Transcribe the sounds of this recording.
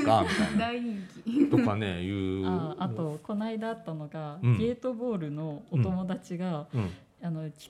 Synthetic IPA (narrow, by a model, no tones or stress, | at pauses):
ɡad̪aiikʲit̪okanejɯːaːt̪o̞ko̞naid̪aːt̪ːano̞ɡaɡe̞ːt̪o̞bo̞ːɾɯ̟no̞ːt̪o̞mo̞d̪at͡ɕiɡã | ano̞kʲi̥